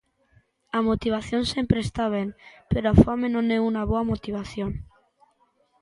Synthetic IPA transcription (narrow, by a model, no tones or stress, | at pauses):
amot̪iβ̞aθjonsempɾest̪aβ̞eŋpeɾoafamenõneunaβoamot̪iβ̞aθjoŋ